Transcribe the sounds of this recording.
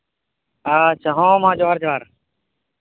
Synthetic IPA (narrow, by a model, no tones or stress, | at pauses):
aːt͡ʃʰaːɦõːmãːd͡ʒoːɦəɾd͡ʒoːaːɾ